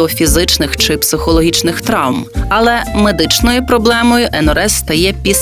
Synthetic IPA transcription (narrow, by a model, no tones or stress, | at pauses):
ɔfʲizɪt͡ʃnɪxt͡ʃɪpsɪxɔlˠɔɦʲit͡ʃnɪxt̪ɾɑwmɐlˠɛmed̪ɪt͡ʃnɔjʊpɾɔblˠɛmɔjʊʔɛnɔɾɛsːt̪ɐjɛpʲis